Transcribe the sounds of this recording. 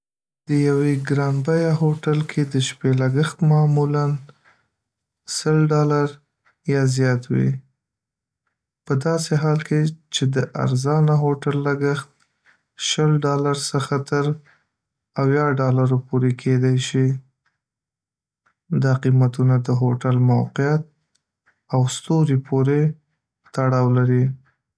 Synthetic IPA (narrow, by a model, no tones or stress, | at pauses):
d̪̥əjaweɡɾɑnbajaɦoʈalkʰed̪əʃpelaɡəxt̪mɑmulan | səlɖɑlaɾ | jɑzjɑt̪wḭ | pəd̪ɑseɦɑlkʰet͡ʃed̪əʔa̰ɾzɑnaɦoʈalːaɡəxt̪̚ | ʃəlɖɑlaɾsəxat̪ʰəɾ | awjɑɖɑlaɾopoɾekʰed̪ajʃi | d̪ɑqimat̪unad̪əɦoʈalmawqɪjat̪̚ | awst̪oɾipʰoɾe | t̪aɽɑwlaɾi